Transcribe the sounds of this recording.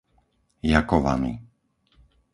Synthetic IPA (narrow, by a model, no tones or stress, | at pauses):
jakɔʋa̰mḭ